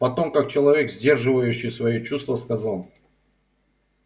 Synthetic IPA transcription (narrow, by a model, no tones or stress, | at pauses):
pɐt̪o̞mkak̚t͡ɕɪlˠɐvʲe̞kzʲdʲe̞rʐɨvəjʉɕːɪjsvɐjot͡ɕust̪vəskɐzalˠ